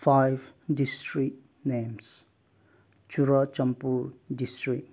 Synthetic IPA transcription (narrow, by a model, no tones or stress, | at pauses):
fʰajbdisʈɾit̚ | nems | t͡ʃuɾat͡ʃɐmpuɾdisʈɾik̚